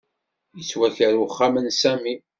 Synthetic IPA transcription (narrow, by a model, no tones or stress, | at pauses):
jəswæçəɾwʊχːamənsæmi